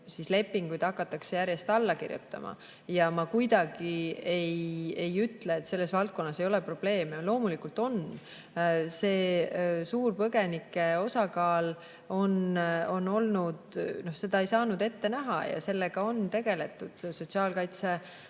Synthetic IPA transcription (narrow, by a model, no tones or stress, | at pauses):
sisle̞pːiŋɡ̥ujd̪̥ɑkːˑɑt̪ːˑɑkse̞jæɾje̞st̪ɑlːɑkḭrjṵt̪ːˑɑ̰mʔɑ̰ | jɑmɑkujd̪̥ɑɡiejejyt̪ːˑle̞ːt̪se̞lːe̞svɑlt̪̚ko̞nːɑse̞jo̞lepro̞b̥le̞ːmelo̞ːmulikult̪o̞n | se̞ːsuːrpɤɡ̥e̞nikːˑe̞o̞sɑkɑːl | o̞no̞nːo̞lnud̪no̞hse̞d̪̥ɑe̞jsɑːnud̪e̞t̪ːe̞næɦɑ̰jɑ̰se̞lːeɡ̥ɑo̞nt̪e̞ɡ̥e̞le̞t̪ːˑud̪̥so̞t̪ʲsiɑːlkɑjt̪se